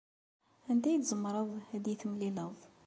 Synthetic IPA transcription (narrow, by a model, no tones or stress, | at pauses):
ænd̪æjt̪zəmːɾˤəðˤæd̪jiθəmliləðˤ